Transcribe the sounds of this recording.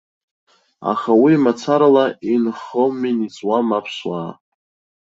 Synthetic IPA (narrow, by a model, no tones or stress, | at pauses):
a̰χawimat͡sʰaɾalainχominit͡sʼwamapʰʃwa̰ː